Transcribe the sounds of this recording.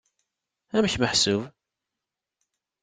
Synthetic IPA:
æməçməħsʊv

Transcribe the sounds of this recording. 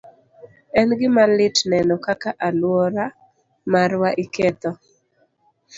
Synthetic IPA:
ɛnɡɪmalɪtnɛnɔkakaʔalwɔɾa | maɾwaʔɪkɛt̪ɔ

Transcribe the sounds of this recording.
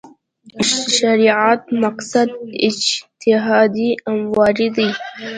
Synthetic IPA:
ʃaɾiʕat̪̚maqsad̪ɪ̰d͡ʒt̪ɪɦɑd̪iamwɑɾid̪ij

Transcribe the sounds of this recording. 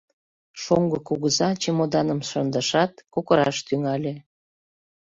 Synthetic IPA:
ʃoŋɡɤkuɣəzɑt͡ɕemod̪ɑnəmʃənd̪ə̆ʃɑt̪kokəɾɑʃt̪yŋɑlʲe

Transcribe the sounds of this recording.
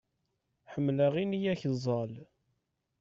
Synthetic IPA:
ħəmːlaʁinijæçzˤɑl

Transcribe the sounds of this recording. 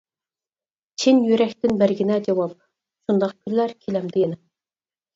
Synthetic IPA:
t͡ʃʰinjyɾɛkʲt̪ɪnbæɾɡʲinɛd͡ʒɑwɑp̚ | ʃund̪ɑq̚kʲʰylːæɾkʲʰilɛmd̪ɪjenɪ

